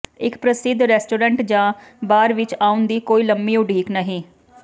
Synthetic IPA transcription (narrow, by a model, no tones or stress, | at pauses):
ɪkpɾəsɪd̪ɾɛːsʈoːɾə̃ɳʈd͡ʒãːbaːɾʋɪt͡ʃaːʊnd̪iːkoːiːləmːiːoʊɖiːknəɦĩː